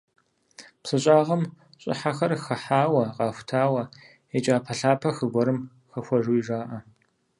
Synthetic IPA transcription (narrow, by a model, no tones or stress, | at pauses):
psɨɕʼaːʁɐm | ɕʼɪ̰ħaxɐrxɐħaːwɐqɑːxʷʊtʰaːwɐ | et͡ʃʼaːpʰɐɬaːpʰɐxɨɡʷɔɾɨm | xɐxʷɔʒuiʒaːʔɐ